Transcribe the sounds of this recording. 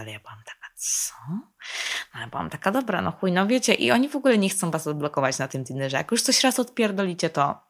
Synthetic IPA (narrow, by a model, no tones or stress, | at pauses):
alɛjabɨwamt̪ḁkḁt̪sɔ | njabɨwa̰mt̪akad̪ɔbɾa̰nɔ̰xujnɔvʲjet͡ɕɛʔḭʔɔɲivɔɡulɛɲɛxt̪sɔ̃w̃vaszablɔkɔvat͡ɕnat̪ɨmd̪ʲinɛʐɛja̰kjuʂt̪sɔɕɾasɔt̪pʲjɛɾd̪ɔlʲit͡ɕɛt̪ɔ